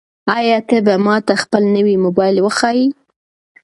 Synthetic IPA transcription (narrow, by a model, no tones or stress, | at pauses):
ɑjɑt̪əbamɑt̪axpəlnəwimobɑjɪlwəxɑji